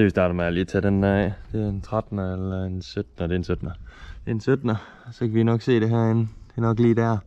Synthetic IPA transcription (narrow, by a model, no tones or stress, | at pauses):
seʋisd̥ɑ̈ːɾ̥ɐmeɐliːɐt͡sʰæɾ̥end̥æɛ̰d̥e̝æɐent͡sʰʁad̥nəelɐensød̥nəd̥e̝ɐensød̥nɐd̥e̝ensød̥nə | sɒ̽kʰæʋinɒ̽ɡ̥se̝̰ːɾ̥e̝ɦæɐ̰ennnɒ̽ɡ̥liːd̥æɐ̰